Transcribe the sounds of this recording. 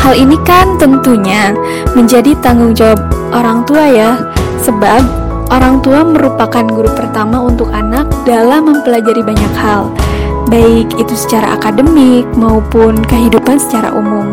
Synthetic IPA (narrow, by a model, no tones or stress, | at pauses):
halinikant̪ənt̪uɲa | məɲd͡ʒadit̪aŋɡʊŋd͡ʒawab̚ʔoɾaŋt̪uaja | səbab̚ | ʔoɾaŋt̪uaməɾupakanɡuɾupərt̪amaunt̪ʊkanak̚dalamːəmpəlad͡ʒaɾibaɲakhal | baɪkit̪usə̥t͡ʃaɾa̰ʔa̰kadəmɪk̚maupʊnkəɦidupansə̥t͡ʃaɾa̰ʔṵmʊm